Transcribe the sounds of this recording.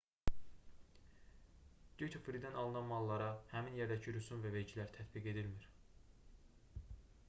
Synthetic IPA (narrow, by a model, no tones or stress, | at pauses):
d̪̥yt̪ʰufɾid̪ænɑlˠɯnɑnmɑlˠːɑɾɑhæminje̞ɾd̪æcʰiɾysunvæve̞ɾcʰilæɾt̪ʰæt̪ʰbiɡe̞d̪ilmiɾ